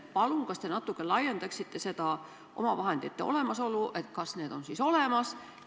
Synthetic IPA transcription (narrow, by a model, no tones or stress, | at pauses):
pɑluŋkɑst̪e̞nɑt̪ːˑukːˑelɑjːe̞nd̪ɑksit̪ːe̞se̞d̪̥ɑ | ʔo̞̰mɑvɑɦe̞nd̪it̪ːḛo̞̰le̞mɑso̞luʔe̞t̪kɑsne̞ːd̪̥o̞nsiso̞le̞mɑs